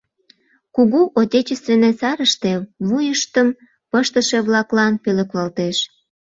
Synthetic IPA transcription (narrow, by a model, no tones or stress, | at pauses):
kuɣuʔot̪ʲet͡ɕest̪venesɑɾəʃt̪e̽βujəʃt̪əm | pəʃt̪əʃe̽βlɑklɑnpøleklɑlt̪eʃ